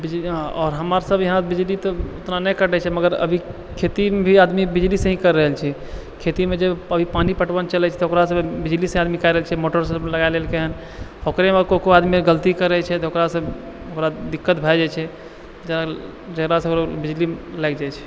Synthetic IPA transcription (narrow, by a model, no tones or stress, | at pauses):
bid͡ʒlĩɔːɾɦəmaɾsəbʱjəɦãbid͡ʒlit̪ɔot̪nanɛjkəʈɛt͡ʃʰɛməɡəɾə̰bʱi | kʰet̪imebʱiad̪mibid͡ʒlisə̃ɦĩkəɾːəɦəlt͡ʃʰɛ | kʰet̪imed͡ʒebəbʱipanipəʈbənt͡ʃəlɛt͡ʃʰɛ̥t̪ɔɦokɾasəbbid͡ʒlisə̃ad̪mikaɾəɦəlt͡ʃʰɛmoʈəɾsləɡaelelkeɦən | hokɾemekokoad̪mieɡəlt̪ikəɾɛt͡ʃʰɛt̪okɾasə̃b | okɾad̪ikːət̪bʱad͡ʒat͡ʃʰɛ | d͡ʒəɾa | d͡ʒəɡɾasə̃okɾabid͡ʒlilɛkd͡ʒajt͡ʃʰɛ̥